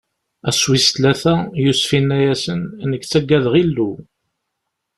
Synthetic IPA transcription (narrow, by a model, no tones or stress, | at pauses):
æswist̪læθæjusfinːæjæsənnəɡt͡sːæɡːæðʁilːu